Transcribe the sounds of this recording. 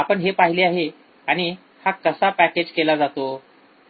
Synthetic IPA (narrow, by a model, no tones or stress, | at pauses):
apəɳɦepaɦileaɦe | aɽ̃i | hakəsapæked͡ʑkelad͡zat̪o